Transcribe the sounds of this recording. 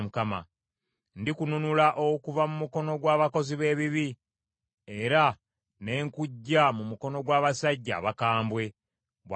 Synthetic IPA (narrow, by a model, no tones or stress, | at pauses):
mukama̰ | ndikununulaʔokuvamumuko̞no̞ɡwaːβako̞ziβe̞ːβiβi | e̞ɾa | ne̞ːŋkuɟːamumuko̞no̞ɡwaːβasaɟːa̰ːβakaːmbwe̞ | βw